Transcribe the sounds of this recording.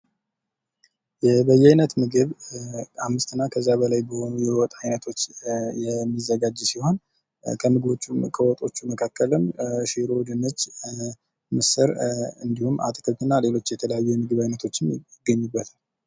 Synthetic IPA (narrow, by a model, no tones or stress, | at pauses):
jɛbəjːɛajnət̪mɨɡɨβʔamːɨst̪ɨnːakʰəzːabəlajbəho̞nujɛwɔt̪ʼajnət̪ʰo̞t͡ʃːjɛmːizːəɡad͡ʒsiho̞n | kʰəmɨɡɨβo̞t͡ʃːumkʰəwɔt̪ʼo̞t͡ʃːuməkʰakːələmʃeɾod̪ɨnət͡ʃː | mɨsɨɾɨnd̪ihuma̰t̪ʼk̪ʰəɨnːale̞lo̞t͡ʃːjɛt̪ʰələjajːujɛmɨɡɨβajnət̪ʰo̞t͡ʃːɪmjɪɡːəɲːubːət̪ʰal